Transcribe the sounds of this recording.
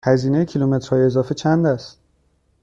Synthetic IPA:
hæziːnejecʰilume̞t̪ɾ̥hɒːjeezɒːfe̞t͡ʃʰænd̪æst̪̚

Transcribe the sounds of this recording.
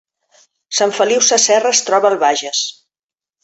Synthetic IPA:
saɱfəliwsasɛrəst̪ɾɔβəːlˠβaʒəs

